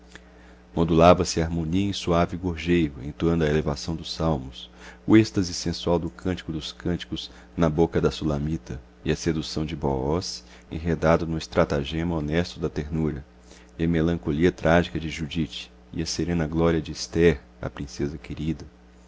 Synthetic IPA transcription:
mod̪ulavɐsɪɐaɾmõniɐẽsuavɪɡoɾʒejɾʊḛ̃t̪nd̪ɐelevasɐ̃w̃d̪ʊsawmʊsʊest̪ɐzɪsẽsuawd̪ʊkʰɐ̃nt͡ʃi̥kʊd̪ʊskɐ̃nt͡ʃi̥kʊz | nɐbokɐd̪ɐsulɐ̃mit̪ɐ | ɪɐsed̪usɐ̃w̃d͡ʒɪbɔɔs | ḛ̃ɦed̪ad̪ʊnʊɪst̪ɾat̪aʒẽmɐonɛst̪ʊd̪ɐt̪eɾnuɾɐ | ɪɐmelɐ̃ŋkoliɐt̪ɾʔaʒikɐd͡ʒɪʒud͡ʒit͡ʃɪ̥ | ḭɐseɾẽnɐɡlɔɾiɐd͡ʒɪist̪ɛɾ | ɐ̰pɾĩsezɐkeɾid̪ɐ

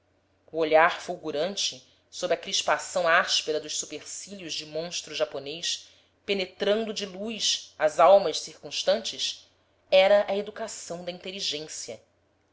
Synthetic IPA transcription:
uoʎaɾfuwɡuɾɐ̃nt͡ʃɪ | sobɾʲɪɐkɾiʃpasɐ̃w̃aʃpeɾɐd̪ʊʃsupeɾsiljʊʒd͡ʒɪmõʃt̪ɾuʒaponejʃ | penet̪ɾɐ̃nd̪ʊd͡ʒɪlujʃɐzawmɐʃsiɾkũʃt̪ɐ̃nt͡ʃɪs | ɛɾɐʔɐed̪ukasɐ̃w̃d̪ɐĩnt̪eliʒẽsjɐ

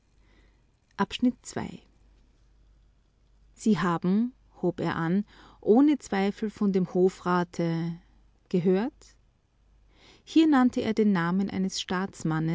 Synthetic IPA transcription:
ʔapʃnɪtt͡sv̥a̰ɪ | z̥iːɦaːbm̩ | hoːpḛːɐʔanʔoːnət͡sv̥aɪfl̩fɔndeːmhoːfʁaːtʰə | ɡ̥əɦøːɐt | hiːɐnantʰəʔḛːɐdeːnːaːmənʔa̰ɪnəsʃtaːt͡smanə

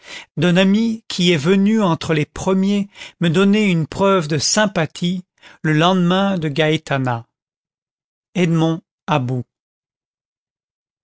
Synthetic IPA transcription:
d̪œ̃namikʲʰiɛvənyɑ̃t̪χəlepχəmjeməd̪ɔneynpχœvd̪əsɛ̃pat̪ʰi | ləlɑ̃d̪mɛ̃d̪əɡait̪ana | ɛd̪mɔ̃ | abu

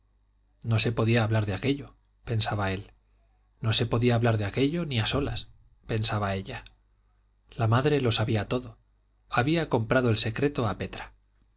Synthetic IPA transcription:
no̞se̞po̞ðiaːβlaɾðeake̞ʎo̞ | pe̞nsaβae̞l | no̞se̞po̞ðiaːβlaɾðeake̞ʎo̞niaso̞las | pe̞nsaβae̞ʎa | lamaðɾe̞lo̞saβiat̪o̞ðo̞ | aβiako̞mpɾað̞o̞else̞kɾe̞t̪o̞ape̞t̪ɾḁ

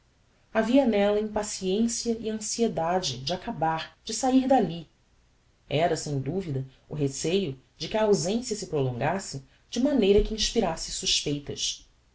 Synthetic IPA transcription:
aviɐnɛlɐĩmpasiẽsiɐʔɪɐ̃sied̪ad͡ʒɪd͡ʒɪakabaɾd͡ʒɪsaiɾd̪ali | ɛɾɐsẽj̃d̪uvid̪ɐ | ʊɦesejʊ | d͡ʒɪkɪɐːwzẽsjɐsɪpɾolõŋɡasɪ | d͡ʒɪmɐnejɾɐkɪĩʃpiɾasɪsuʃpejt̪ɐʃ

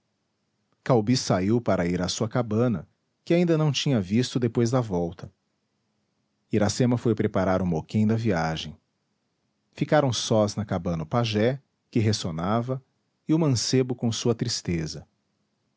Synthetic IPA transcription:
kawbisaiwpaɾɐiɾasuɐkabɐ̃nɐ | kɪaĩd̪ɐnɐ̃w̃t͡ʃĩɲɐvist̪ʊd̪epojzd̪ɐvɔwt̪ʰɐ | iɾasẽmɐfojpɾepaɾaɾũmokẽj̃d̪ɐviaʒẽj̃ | fikaɾɐ̃w̃sɔznɐkabɐ̃nɐʊpaʒɛ | kɪɦesonavɐ | ɪʊmɐ̃sebʊkõsuɐt̪ɾist̪ezɐ

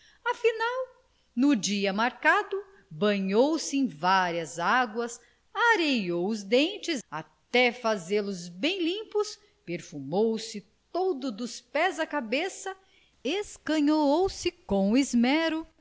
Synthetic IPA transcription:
afinaw | nʊd͡ʒiɐmaɾkad̪ʊ | bɐ̃ɲowsɪẽj̃vaɾiɐzaɡwɐs | aɾejowʊzd̪ẽnt͡ʃɪzat̪ɛfazelʊzbẽj̃lĩpʊs | peɾfumowsɪt̪od̪ʊd̪ʊspɛzɐkabesɐ | eskɐ̃ɲoowsɪkõw̃ɪzmɛɾʊ

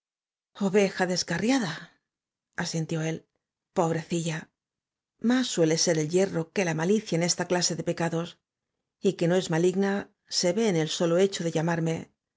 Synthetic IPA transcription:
o̞βe̞xaðe̞skarjaða | asint̪jo̞e̞l | po̞β̞ɾe̞θiʎa | masːwe̞le̞se̞ɾe̞lʎe̞ro̞ke̞lamaliθjaene̞st̪aklase̞ðe̞pe̞kaðo̞s | ike̞no̞e̞zmaliɣna | se̞βe̞ːne̞lso̞lo̞e̞t͡ʃo̞ðe̞ʎamaɾme

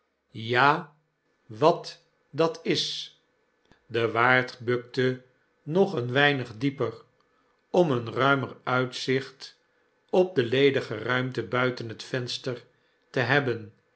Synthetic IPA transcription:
jaː | ʋɑt | dɑtɪs | dəʋaːɹtbɵk̚tə | nɔχənʋɛjnəχdipər | ɔmənrœɥmərœɥtsɪχt | ɔp̚dəlejdəχərœɥmtəbœɥtənɦətfɛnstər | təɦɛbən

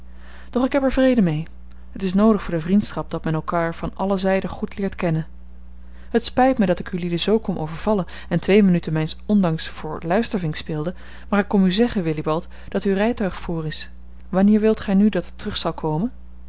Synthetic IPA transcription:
d̥ɔχɪkɦɛpɛɹvrejdəmej | ɦətɪs̬nowdəχfʊːɹdəvrintsχɑp̚d̥ɑtmɛnɛlˠkaːɹv̥ɑnʔɑləzɛjdəχutlɪːɹtkɛnən | ɦətspɛjtmədɑtɪkylidəzowkɔmʔo̰wvəɹv̥ɑlən | ɛntʋejmənytənmɛjnsɔndɑŋsfʊːɹlœɥstəɹvɪŋkspɪːlˠdə | maːɹɪkːɔmyzɛχənʋɪlibɑlˠt | d̥ɑtyrɛjtœɥχfuːrɪs | ʋɑnɪːɹʋɪlˠtχɛjnydɑtətːərɵχsɑlˠkʰowmən

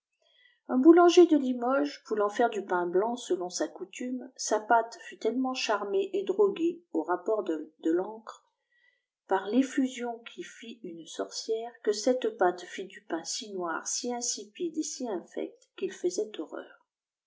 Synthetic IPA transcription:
ɛ̃bulɑ̃ʒed̪əlimɔʒpulɑ̃fɛʁd̪ypɛ̃blɑ̃səlɔ̃sakut̪ymsapat̪fyt̪ɛlmɑ̃ʃaʁmeʔed̪ʁɔɡeoʁapɔʁd̪əlɑ̃kχ | paʁlefyzjɔ̃kʲʰifiynsɔʁsjɛʁkəsɛt̪pat̪fid̪ypɛ̃sinwa̰ʁsiɛ̃sipid̪esiɛ̃fɛ̰k̚t̪kʲilfəzɛt̪ɔʁœ̰ːʁ

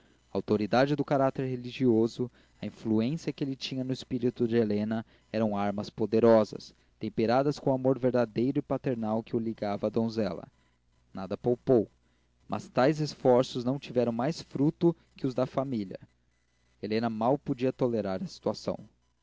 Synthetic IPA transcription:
ɐawt̪oɾid̪ad͡ʒɪd̪ʊkaɾat̪eɾɦeliʒiozʊ | ɐĩfluẽsiɐkɪelɪt͡ʃĩɲɐnʊɪspiɾit̪ʊd͡ʒɪelẽnɐ | ɛɾɐ̃w̃aɾmɐspod̪eɾɔzɐ̰s | t̪ẽmpeɾad̪ɐskõamoɾveɾd̪ad̪ejɾʊɪpat̪eɾnawkɪʊliɡavɐːd̪õzɛlɐ̰ | nad̪ɐpowpow | mʔɐ̰st̪ajzesfɔɾsʊznɐ̃w̃t͡ʃivɛɾɐ̃w̃majsfɾut̪ʊ | kɪʊzd̪ɐfamiljɐ | elẽnɐmawpod͡ʒiɐt̪oleɾaɾɐsi̥t̪uasɐ̰̃w̃

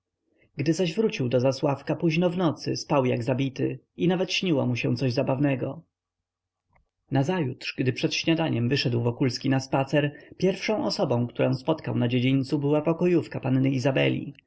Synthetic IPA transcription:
ɡd̪ɘzaʑvɾut͡ɕiwd̪ɔzaswafkapuʑnɔvnɔt̪sɘstawja̰ɡzabʲit̪ɘ̰ | inavɛt̪ɕɲiwɔ̰muɕɛ̃t̪sɔʑzabavnɛɡɔ | nazajutʂɡd̪ɘpʂɛt̪ɕɲad̪aɲɛmvɘʂɛd̪wvɔkulskʲinaspat̪sɛɾpʲjɛɾfʂɔ̃w̃ʔɔsɔbɔ̃w̃kt̪uɾɔ̃w̃spɔt̪kawnad͡ʑed͡ʑint̪subɘwapɔkɔjufkapanːɘizabɛ̰lʲḭ

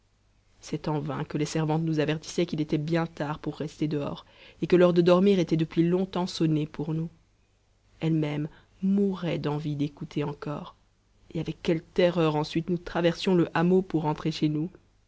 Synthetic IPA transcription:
sɛt̪ɑ̃vɛ̰̃kəlesɛʁvɑ̃t̪nuzavɛʁt̪i̥sɛkʲilet̪ɛbjɛ̃t̪aʁpuʁːɛst̪ed̪əɔ̰ʁ | ekəlœʁd̪əd̪ɔʁmiʁet̪ɛd̪əpɥilɔ̃t̪ɑ̃sɔnepuʁnu | ɛlmɛm | muʁɛd̪ɑ̃vid̪ekut̪ʰeɑ̃kɔ̰ːʁ | eavɛkːɛlt̪ɛʁœʁɑ̃sɥit̪nut̪χavɛʁsjɔ̃ləʔamopuʁːɑ̃t̪χeʃenu

